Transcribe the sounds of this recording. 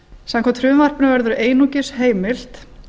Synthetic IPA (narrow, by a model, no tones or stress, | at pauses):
samkʰat̪ʰɾʏːvar̥pnʏvɛɾðʏɾʏʔeːjnucɪsɦeːjmɪl̥t̪